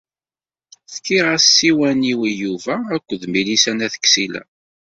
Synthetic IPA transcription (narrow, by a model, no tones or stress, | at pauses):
θkiʁasːiwæniwijuvæækʷːðmilisænæθə̥kːsilæ̰